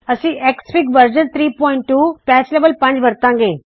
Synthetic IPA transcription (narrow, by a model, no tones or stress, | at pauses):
ɐsĩʔeːkspɪkʋəɾd͡ʑənt̪ʰɾiːpɔːɪ̃ɳʈːuːpɛːsleːʋəlpɐ̃ɲd͡ʑʋɐɾt̪ãɡẽː